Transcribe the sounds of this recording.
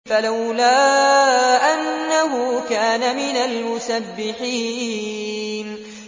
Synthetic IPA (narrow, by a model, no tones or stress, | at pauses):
falawlaː | ʔanːaɦʊkaːnamɪnalmʊsabːɪħiː | n